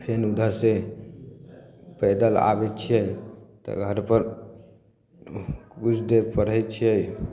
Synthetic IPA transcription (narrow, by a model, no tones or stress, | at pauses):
pʰenud̪ʱəɾse | pəd̪əla̰bɛt̪t͡ʃʰijəjt̪ɔ̰ɡʱəɾpəɾ | kut͡ʃʰd̪eɾpəɽəjt͡ʃʰijəj